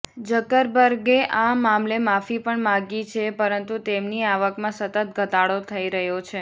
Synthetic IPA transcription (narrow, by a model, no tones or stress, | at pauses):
d͡ʒəkəɾbəɾɡeʔamamlemafipəɳmãɡit͡ʃʰepəɾənt̪ut̪emniaʋəkmãsət̪ət̪̚ɡʱət̪aɭot̪ʰəiɾəɦjot͡ʃʰe